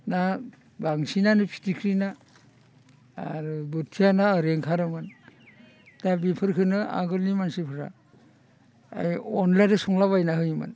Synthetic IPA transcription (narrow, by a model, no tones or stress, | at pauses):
na | baŋsinanɯpʰi̥tikʰɾina | ɾubutʰijanaaɾeŋkʰaɾɯmɯn | dabipʰɯɾkʰɯnɯa̰ɡɯlnimansipʰɯɾa̰ | a̰jɔnlajdɯsɔŋlaβajnaɦɯjmɯ̰n